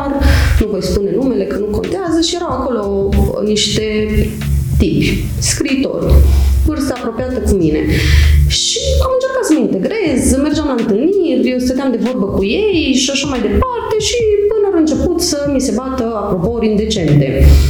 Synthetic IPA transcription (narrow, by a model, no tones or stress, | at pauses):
rnuvo̞jspune̞nume̞le̞kənuko̞̰nt̪eazəʃije̞ɾawako̞lo̞niʃt̪e̞ | t̪ipʲ | skɾiːt̪o̞̰rʲvɨrst̪aːpɾo̞pijat̪əkumine̞̰ʃiamɨnt͡ʃerkat̪səməint̪e̞ɡɾezme̞rd͡ʒeamlant̪ɨlnirʲjewsved̪eamd̪e̞vo̞rbəkujejʃiaʃamajd̪e̞part̪e̞ʃipɨnaɾɨnt͡ʃe̞put̪səmise̞bat̪əapɾo̞poɾʲind̪e̞t͡ʃe̞nt̪e̞̰